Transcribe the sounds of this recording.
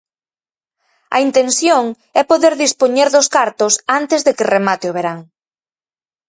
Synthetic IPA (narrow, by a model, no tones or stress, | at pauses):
ɐ̰int̪ensjoŋ | ɛpoðeɾðispoɲeɾðʊskaɾt̪ʊsant̪ɪzðekɪremat̪eoβeɾaŋ